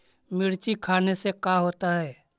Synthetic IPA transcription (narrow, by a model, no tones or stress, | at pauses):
mɪɾt͡ʃikʰaːnesekaːɦoːt̪aɦɛː